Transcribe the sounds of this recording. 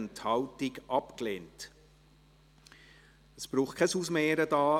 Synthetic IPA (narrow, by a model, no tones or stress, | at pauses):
nthɑltɪɡʔɑpkleːnt | əsb̥ɾuːχtkʰɛsusmeːɾədɑː